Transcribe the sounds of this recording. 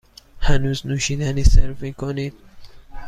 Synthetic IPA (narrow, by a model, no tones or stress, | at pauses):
hænuːznuːʃiːd̪æniːseɾviːkʰoniːd̪̥̚